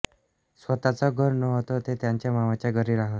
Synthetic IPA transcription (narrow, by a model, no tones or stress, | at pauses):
sʋət̪at͡sɔɡʱəɾnɔɦot̪ot̪et̪jaɲt͡ɕjamaʋat͡ɕjaɡəɾiːɾaɦət̪